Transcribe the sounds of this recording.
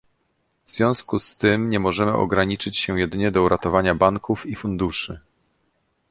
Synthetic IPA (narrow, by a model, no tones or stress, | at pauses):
vz̥vʲjɔ̃w̃skust̪ɘmɲɛmɔʐɛmɘ̰ʔɔ̰ɡɾaɲit͡ʂɘt͡ɕɕɛ̃jɛd̪ɘɲɛd̪ɔuɾat̪ɔvaɲabaŋkufifund̪uʂɘ